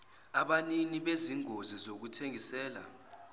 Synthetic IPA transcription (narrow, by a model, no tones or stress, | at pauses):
aɓaniniɓeziŋozizok̬utʰeŋisɛːla̰